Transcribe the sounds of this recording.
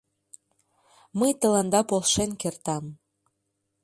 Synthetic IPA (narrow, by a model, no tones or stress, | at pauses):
məjt̪ə̆lɑnd̪ɑpolˠʃenkert̪ɑm